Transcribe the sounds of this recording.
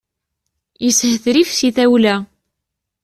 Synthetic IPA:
jəshəθɾifsiθæwlæ

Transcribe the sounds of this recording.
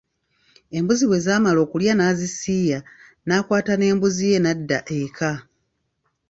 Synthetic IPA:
e̞mbuziβwe̞ːzaːmalo̞ːkuljanaːzisiːja | nakwaːtane̞ːmbuzije̞nadːaʔekʰa

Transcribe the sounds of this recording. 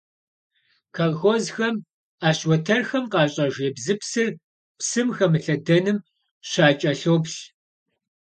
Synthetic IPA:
kʰɐlxozxɐm | aːɕwɔtʰɐrxɐmqɑːɕʼɐʒeːbzɨpsɨr | psɨmxɐmɨɬɐdɐnɨm | ɕaːt͡ʃʼɐɬowpɕ

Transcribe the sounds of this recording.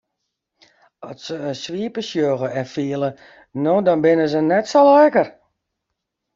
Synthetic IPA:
ɔsəənsʋiəpəsjoɣəɛnfiəlˠə | nodɔnbɪnəzənɛtsolɛkər

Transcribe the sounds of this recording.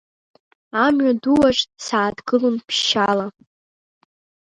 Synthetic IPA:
amɥaduwaʒʼtʼsaːdɡɨlunpʰʃala

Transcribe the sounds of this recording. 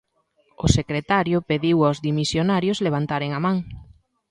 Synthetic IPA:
ʊsekɾet̪aɾjʊpeðiwawzðimisjonaɾjʊzleβ̞ant̪aɾeŋamãŋ

